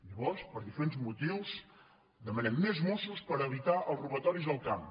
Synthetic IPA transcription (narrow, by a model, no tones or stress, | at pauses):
ʎəβɔrspəɾðifəɾenzmut̪iws | d̪əmənɛmːezmususpəɾəβit̪aʔəlˠzruβət̪ɔɾizðəlˠkam